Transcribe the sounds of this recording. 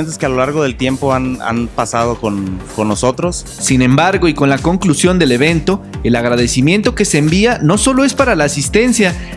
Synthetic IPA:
nt̪eskealolaɾɣo̞ðe̞lt̪je̞mpo̞ana̰npasað̞o̞konko̞nːo̞so̞t̪ɾo̞s | sinẽ̞mbaɾɣo̞iko̞nlako̞ŋklusjo̞nd̪e̞le̞β̞e̞nt̪o̞e̞laɣ̞ɾaðe̞simje̞nt̪o̞ke̞seːmbiano̞so̞lo̞e̞spaɾalaːsist̪e̞nsja

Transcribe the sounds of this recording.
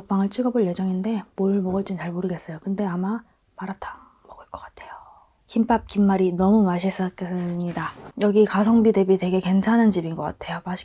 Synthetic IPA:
k̚p͈aŋɯɭt͡ɕʰiɡʌbuɭje̞d͡ʑʌŋinde̞moɭmʌɡɯɭt͡ɕ͈int͡ɕaɭmoɾɯɡe̞s͈ʌjokɯnde̞ama | maɾatʰḁ | mʌɡɯɭk͈ʌk͈ḁtʰe̞jo̥ | kimpʰap̚kimːaɾinʌmumaɕ̬ʰis͈ʌk͈ʰesɯɲidajʌɡikasʰʌŋbide̞bitwe̞ɡe̞kwe̞nt͡ɕʰanɯnt͡ɕibinɡʌk͈atʰe̞jomaɕʰi̥

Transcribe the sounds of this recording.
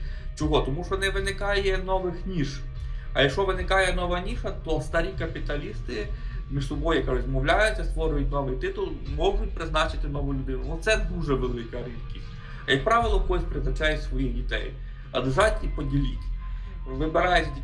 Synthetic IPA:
t͡ʃɔɦɔt̪ɔmuʃɔnɛʋɪnɪkɑjɛnɔʋɪxnʲiʃ | ɐ̰jɐkʃɔʋɪnɪkɑjɛnɔʋɐnʲiʃɐt̪ɔst̪ɐɾʲikɐpʲit̪ɐlʲist̪ɪ | mʲiʃsɔbɔjʊkaɾɔzʲmɔwlʲajʊt͡sʲːɐst̪ʋɔɾʊjʊt̚ʲnɔʋɪjt̪ɪt̪ʊlˠmɔɦʊt̚ʲpɾɪznɑt͡ʃɪt̪ɪnɔʋʊlʲʊd̪ɪnʊnɔt̪sɛd̪uʒɛʋelˠɪkɐɾid̪kʲisʲtʲ | ɐjɐk̚pɾɑʋɪlˠɐkɔsʲpɾɪznɐt͡ʃɑjɛsʋɔjidʲit̪ɛ̰j | ɐ̰d̪ɛʒɑtʲipɔdʲilʲitʲ | ʋɪbeɾɑjtʲ

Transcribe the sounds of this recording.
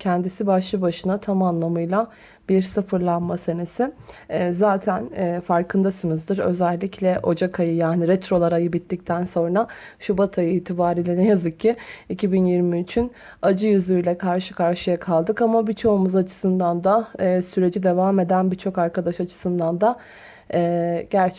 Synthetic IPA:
cʰɛnd̪isibaʃlˠɯbaʃɯnat̪ʰamamlˠamɯjlˠa | b̥iɾsɯfɯɾlˠanmasenesɪzaːt̪ʰænɛːfaɾkʰɯnd̪asɯmɯzd̪ɯɾø̞̰zɛlʲːicʰlʲɛʔo̞d͡ʒakʰajɯjaːniɾɛt̪ɾo̞lˠaɾajɯbit̪ʰːic̚t̪ʰænso̞nɾaʃubat̪ʰajɯiːt̪ʰibaːɾiːlʲɛnɛjazɯk̚cʰːiicʰibinjiɾmiyt͡ʃʰyn | ad͡ʒɯjyzyjlʲɛkʰaɾʃɯkʰaɾʃɯjakʰalˠd̪ɯkamabit͡ʃʰo̞umuzat͡ʃʰɯ̥sɯnd̪and̪aːsyɾe̞d͡ʒid̪e̞vaːme̞d̪ænbit͡ʃʰo̞kaɾkʰad̪aʃat͡ʃʰɯ̥sɯnd̪and̪a | ɛːɟæɾt͡ʃʰ

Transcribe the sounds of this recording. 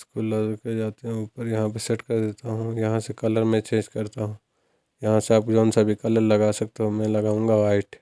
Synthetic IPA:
skuːlːaːzked͡ʒaːt̪eɦɛ̃uːpəɾjɐɦãpeseʈkɐɾd̪eːt̪aɦũjɐɦãsekɐləɾmẽt͡ʃẽːd͡ʒkɐɾt̪aɦũː | jɐɦãseaːpd͡ʒɔːnsabʱikɐləɾlɐɡasɐk̚t̪eɦomɛ̃lɐɡaːũŋɡaaːɪʈ

